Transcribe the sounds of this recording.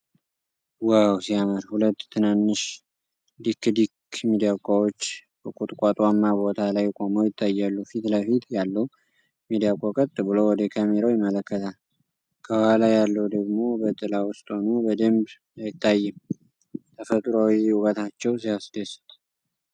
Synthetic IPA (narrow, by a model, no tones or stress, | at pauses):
wawsiaməɾhulət̪ːt̪ʰɨnanːɨʃ | d̪ikːd̪ikmid̪ijakʼawot͡ʃːbəkʼut̪ʼkʼat̪ʼwamːabo̞t̪ʰalajkʼo̞məwjɪt̪ːajːalːufit̪ləfit̪jalːə | mid̪ijakʼokʼət̪ʼːɨβɨlowwɔd̪ekʰameɾawjɪmːələkːət̪ʰal | kʰəbəhalajalːəwd̪əɡmo̞bət̪ʼɨlawʊst̪ʼho̞nubəd̪əmb | jajɪt̪ʰːajːɨm | t̪ʰəfət̪ʼɾawiukʼət̪ʰat͡ʃːɛwsiasd̪əsu̥t̪ʼ